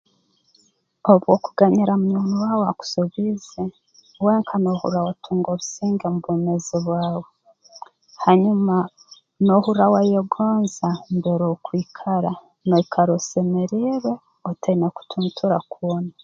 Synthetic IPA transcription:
oβwokuɡaɲiɾamuɲuːnuwawoaku̥soβize | we̞ŋkʰano̞hṵɾawatʰuːŋɡoβusiːŋɡemuβoːmeziβwaːwo | haɲuma | no̞huɾawajeɡoːnzambeɾokwiːkʰaɾa | noikʰaɾosemeɾiβe̞ | oteineku̥tʰuːntʰuɾakuona

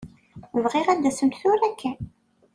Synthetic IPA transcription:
vʁɪʁæd̪ːæsəmt̪θʊɾækːæ

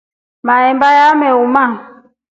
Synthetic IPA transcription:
maɛmbajamɛumaŋ

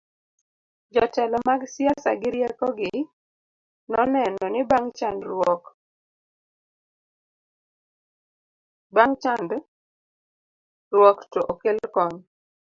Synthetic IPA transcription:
d͡ʒɔtɛlɔmaɡsjasa̰ɡɪɾjɛkɔɡɪ | nɔnɛnɔnɪbaŋt͡ʃandɾwɔk | baŋt͡ʃand | rwɔktɔʔokelkɔɲ

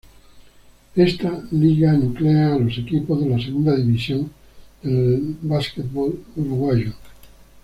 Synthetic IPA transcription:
est̪aliɣanukleaːlo̞sekipozðelas̬eɣund̪aðiβisjoŋ | d̪elβasket̪βoluɾuɣwaʒo

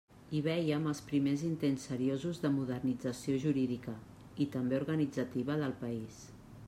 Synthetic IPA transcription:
iβ̞ɛjəməlˠspɾimezint̪ensːəɾiozuzðəmuðərnid͡zəsioʒuɾiðikə | it̪əmbeuɾɣənid͡zət̪iβəðəlˠpəis

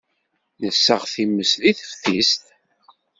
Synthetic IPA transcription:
nəsːəʁθimːəsðiθəfθist̪

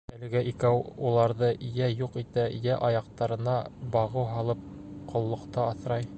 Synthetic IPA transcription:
ælɘ̆ɡæʔikæwulˠɑɾðɤjæjuqit̪æjæʔɒjɑqt̪ɑɾɤ̆nɑbɑʁɤwɦɑlˠɤp̚qŏlˠːŏqt̪ɑːθɾɑj

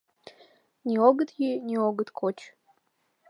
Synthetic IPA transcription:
nʲioɡət̪jinʲioɡət̪kʰot͡ʃ

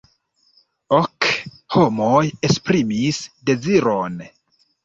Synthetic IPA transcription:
ok | homojespɾimisde̞ziɾon

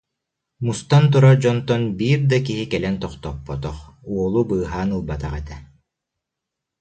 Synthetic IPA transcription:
must̪ant̪̬uɾad͡ʑɔnt̪ɔnbiːɾd̪akiɦikɛlɛnt̪ɔχt̪ɔpːɔt̪ɔχuɔlˠubɯːɦaːnɯlˠbat̪aʁɛt̪ɛ

